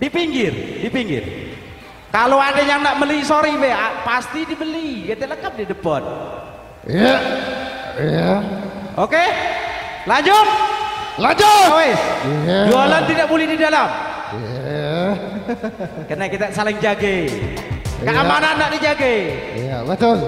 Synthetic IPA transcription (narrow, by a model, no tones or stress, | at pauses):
dipiŋɡɪrdipiŋɡɪ̰r | kaloadajaŋnaʔməliisoɾibɛhapast̪idibəliiɡat̪ɛləkap̚didəpɔt̪̚ | ija | ijaoke | laɲd͡ʒʊt̪̚lad͡ʒʊwesdualant̪idaʔbolɛhdidalam | kənakit̪aʔsalɪŋd͡ʒaɡai | kaʔamananaʔdid͡ʒaɡaijabət̪ʊl